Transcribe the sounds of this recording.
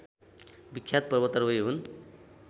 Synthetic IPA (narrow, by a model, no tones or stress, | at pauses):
bikʰːjat̪̚pʌrbʌt̪ʌrbʌjɦun